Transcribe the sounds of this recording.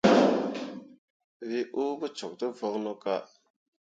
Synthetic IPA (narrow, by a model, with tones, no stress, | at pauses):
vi˦ʔu˦bə˦t͡ʃɔ˨k̚tə˦vɔ˦knɔ˦ka˦